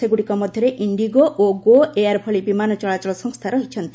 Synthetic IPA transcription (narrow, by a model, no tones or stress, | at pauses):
eɡuɽikɔmɔd̪ʱjɔɾeʔiɳɖiɡoʔoɡoeaɾpʰɔɭibimanɔt͡ʃɔɭat͡ʃɔlɔsɔŋst̪ʰaɾɔɦit͡ʃʰɔnt̪i